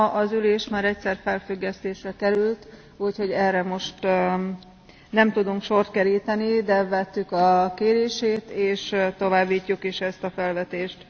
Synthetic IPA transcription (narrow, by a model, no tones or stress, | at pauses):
ʔɒzyleːʃmaːɾɛcsɛrfɛlfyɡːɛst̪eːʃrɛkɛɾylt̪ | uːcho̞ɟɛrːɛmo̞ʃt̪ | nɛmt̪ud̪uŋkʃo̞rt̪̚kɛɾiːt̪ɛnid̪ɛvɛt̪ːykɒkeːɾeːʃeːt̪eːʃt̪o̞vaːbːiːcːukiʃɛst̪ɒfɛlvɛt̪eːʃt̪